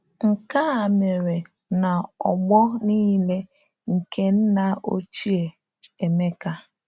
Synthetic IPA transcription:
ŋ̩˨ka˦a˨me˨ɾe˨ | na˨ɔ˨ɡ͡bɔ˦niː˦le˦ | ŋ̩˨ke˦n̩˦na˨o̰˦t͡ʃi˦e˨ | e˨me˦ka˦

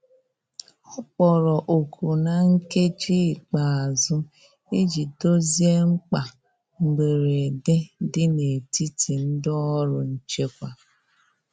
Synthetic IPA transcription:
ɔ˦k͡pɔ˨ɾɔ˨ʔo˨kʰu˨na˨ŋ̩˦ke˦t͡ʃi˦˨k͡pa˨a˨zʊ˦ | e˦d͡ʒi˨do˦zi˦e˦ŋ͡m̩˦k͡pa˨ | ŋ͡m̩˨ɡ͡be˨ɾe˨e˨de˦dɪ˦ne˨ti˦tʰi˨n̩˦dɔ˦ɔ˦ɾʊ˨n̩˦t͡ʃe˦kʷa˨

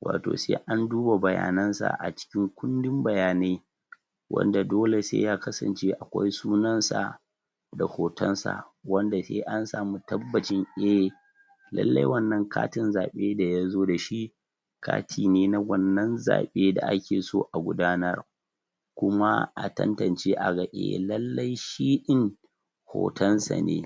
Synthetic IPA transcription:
wʔa̰ː˨to̰ː˨sḛː˦ʔa˦nduː˦ba˨bɐ˨ja̰ː˨nɐ˦nsa̰˨ʔa̰˨t͡ʃɪ̥˦kʲɪ˦ŋkʷʊ˦ndɪ˦mbɐ˨jaː˨ne˦ | wʔɐ̰˦nda˨doː˦le˨sḛ˦jaː˦kɐ˦sɐ̰˨nt͡ʃeː˦ʔa˨kʷa̰˦jsuː˦nɐ˦nsa̰˨ | da˨hoː˨tɔ˦nsa̰˨wɐ˦nda˨sḛː˦ʔa˦nsaː˨mu˦tɐ˦bːɐ˨t͡ʃɪ˦ŋʔe˦ | lɐ̰˦lːɐ˦jwɐ˦˨nːɐ˦ŋkʰaː˦tɪ˦nzaː˨ɓeː˦da˨jaː˦zoː˦da˨ʃi˦ | kʰa̰ː˦tʰiː˨neː˦na˦wɐ˦˨nːɐ˦nza̰ː˨ɓeː˦da̰˨ʔa˦kʲeː˨soː˦ʔa˨ɡʷʊ˦daː˦nɐ˦r | kʷʊ˦ma˦ʔa̰˨tɐ̰˦ntɐ˨nt͡ʃeː˦ʔa˨ɡa˨ʔḛ˨lɐ˦lːɐ˦jʃiː˦ɗɪ˦ŋ | ho̰ː˨tɐ˦nsa̰˨nḛː˦

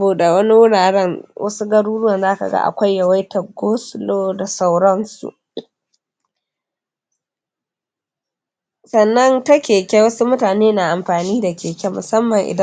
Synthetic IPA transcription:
buː˨ɗa˨wɐ˦ni˦wʊ˦ɽaː˨ɽɛ˦nwʔɐ̰˦su˦ɡɐ˦ɽuː˦ɽʊ˦wɐ˨nzaː˦ka̰˨ɡa̰˦ʔa̰˨kʷa˦jːɐ˨wa˦jtɐ˨ɡoː˦sʊ˨loː˦da˨sa˦wɽɐ˦nsṵ˨ʔ | sɐ˨nːɐ˦ntɐ˦kʲeː˨kʲɛ˦wɐ˦su˦mʊ˦taː˨neː˦na˨ʔa˨mɸaː˨niː˦da˨kʲeː˨kʲɛ˦mʊ˨sɐ˦mːɐ˨ŋʔɪ̰˨d

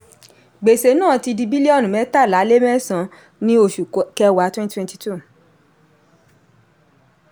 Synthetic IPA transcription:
ɡ͡be˨se˨˦nãː˦˨ti˧di˧bi˦li˦ɔ˦˨nũ˨mɛ̃˨˦ta˦˨la˨˦le˦mɛ̃˦sã˨˦ | nĩ˦o˧˨ʃu˨kkɛ˧wa˨˦twɛ̃˦n˦twɛ̃˧nti˧tu˦˨

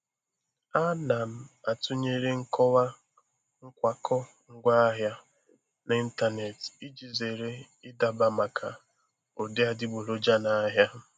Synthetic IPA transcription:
a˦na˨m̩˨a˨tʊ˦ɲe˦ɾe˦ŋ̩˦kʰɔ˦wa˦ | ŋ̩˦kʷa˨kʰɔ˦ | ŋ̩˦ɡʷa˦a˦ɦja˦ | na˨i˦n̩˦ta˦˨ne˨ti˦d͡ʒi˨ze˨ɾe˦ | ɪ˦da˨ba˨ma˨kʰa˨ | o˨de˦a˨dɪ˦bo˨lo˦d͡ʒa˦na˨˦ɦja˦

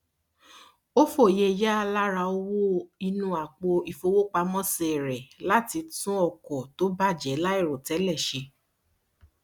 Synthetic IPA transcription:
o˦fo˦˨je˧ja˦a˧la˦ɾa˧o˧wo˦i˧nũ˧˦a˨k͡po˧i˨fo˧wo˦k͡pa˧mɔ̃˦sɾɛ˨la˦ti˧tũ˦ɔ˦˨kɔ˨to˨˦ba˦˨d͡ʒɛ˨˦la˦i˦˨ɾo˨tɛ˨˦lɛ˦˨ʃe˧

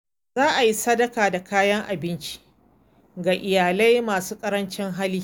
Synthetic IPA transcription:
zaː˦ʔa˨ji˦sɐ˦dɐ˨kaː˨da˨kaː˦jɐ˦ŋʔa˨bɪ˦nt͡ʃi̥˦ʔ | ɡaː˨ʔɪ˨jaː˨la˦jmaː˨suː˦kʼɐ˦ɾɐ˦nt͡ʃɪ˦ŋɦa˦liː˦

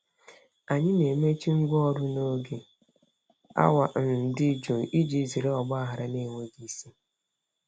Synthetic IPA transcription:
a˨ɲɪ˦ne˨me˦t͡ʃi˦ŋ̩˦ɡʷɔ˦˨ɾʊ˦no˦ɡe˨ | a̰˦wa˨n̩˨dɪ˦d͡ʒu˨ʔi˦d͡ʒi˦zi˨ɾe˦ɔ˨ɡ͡bɔ˦a˦ɦa˨ɾa˨ne˦˨ŋʷe˦ɡi˦si˦

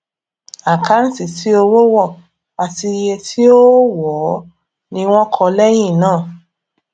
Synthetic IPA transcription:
a˨ka˨˦n̩˦si˨ti˨˦o˧wo˦wɔ˦˨ | a˨ti˧je˧tʰi˦o˦wɔ˨˦ | nĩ˧w̃ɔ̃˦kʰɔ˧lɛ˦j̃ĩ˦˨nãː˦˨

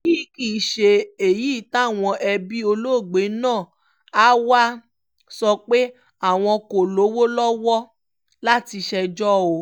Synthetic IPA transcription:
ki˦ki˦˨ʃe˧e˨ji˨˦˨ta˦˨w̃ɔ̃˧ʔɛ˧bi˦o˧lo˦˨ɡ͡be˨˦nãː˦˨ | a˦wa˦ | sɔ˧k͡pe˦ | a˦˨w̃ɔ̃˧ko˨lo˨˦wo˦lɔ˦wɔ˦ | la˦ti˧ʃɛ˧d͡ʒɔ˦o˨˧˦

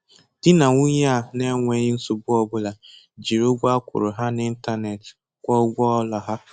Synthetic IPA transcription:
d̥ɪ˦na˨ŋu˦ɲ˦a˦˨ne˦ŋʷe˨ɲɪ˦n̩˦sʊ˨bʊ˦ɔ˦bʊ˦la˨ | d͡ʒi˨ɾo˦ɡʷa˦kʷʊ̰˨ɾʊ˨ɦa˦n˦ɪ˦n̩˦ta˦ne˨t | kʷɔ˦ɡʷɔ˦ɔ˦lɔ˨ɦa˦

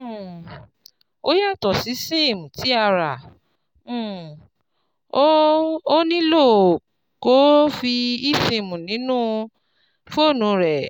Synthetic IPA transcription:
o˦ja˦˨tɔ˨si˨˦se˦˨mũ˨ti˨˦a˦˧ɾã˨˦˨ | o˦o˦nĩ˦lo˦˨ | ko˦fi˧i˦˨se˨mũ˨nĩ˨˦nũ˦ | fo˦˨nũ˧ɾɛ˨

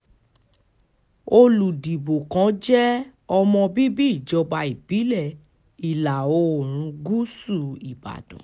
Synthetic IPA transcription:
o˧lu˨di˨bo˨kã˨˦d͡ʒɛ˦ɔ˧mɔ̃˧bi˦bi˦i˦˨d͡ʒɔ˧ba˧i˨b̥i˨˦lɛ˦˨ | i˨la˨o˧˨ɾ̃ũ˧˦ɡu˦su˦˨i˨ba̰˨dɔ̰̃˨

